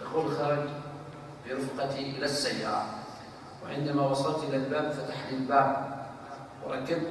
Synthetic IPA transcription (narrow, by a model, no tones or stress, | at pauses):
d̪axuːlxɑːɾˤɑd͡ʒ | fiɾʊfqɑt̪iʔɪlasːajːaːɾˤɑ̰ | wɪ̰ʕɪnd̪amawɑsˤɑlt̪ʔɪlalbaːbfat̪aħnɪlbaːb̚ | wɪ̰ɾˤɑkːabt̪